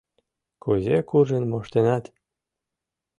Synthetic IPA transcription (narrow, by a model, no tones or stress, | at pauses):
kuzʲekuʒenmoʃt̪enɑt̪